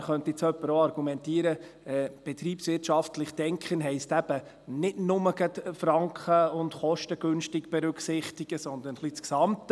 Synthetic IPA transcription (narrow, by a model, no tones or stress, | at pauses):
χœnt̪it͡sœpːəɾoɑɾɡ̥umɛntiəɾəɛb̥ɛt̪ɾiːpsʋɪrtʃɑftlɪχd̥ɛŋkχənɦɛɪstæb̥ə | nɪtnʊməɡət̪fɾɑŋkχəʊndχɔʃtəɡ̥ɵnʃtiɡb̥ɛɾʉkχsɪχtiɡ̥əsɔnd̪ənχlit͡sksɑmt̪